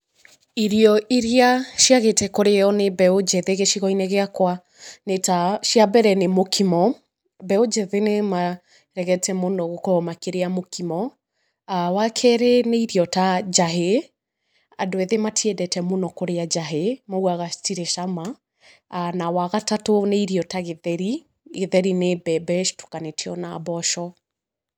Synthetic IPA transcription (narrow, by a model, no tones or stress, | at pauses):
iɾiɔʔiɾiaʃiaɣetɛkoɾeɔnebɛod͡ʒɛðeɣeʃiɣɔineɣeakwa | netaʃiabɛɾɛnemokʰimɔ | bɛod͡ʒɛðenema | ɾɛɣɛtʰɛmonɔɣokɔɔmakeɾeamokimɔ | awakʰɛɾeneiɾiɔtad͡ʒaɦe | a̰doeðematʰiɛdɛtɛmonɔkoɾead͡ʒaɦemauaɣatiɾeʃama | anawaɣatatoneiɾiɔtaɣeðɛɾi | ɣeðɛɾinebɛbɛʃtu̥kanetʰeɔnabɔʃɔ